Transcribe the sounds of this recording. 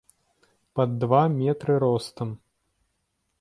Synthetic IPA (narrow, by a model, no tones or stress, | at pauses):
pɐd̪ːvamʲɛt̪ɾɨɾɔst̪ɐm